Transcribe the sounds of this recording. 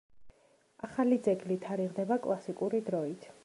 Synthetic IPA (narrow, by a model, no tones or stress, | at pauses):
aχalid̪zɛɡlit̪ʰaɾiʁd̪ɛbakʼlˠasikʼuɾid̪ɾɔit̪ʰ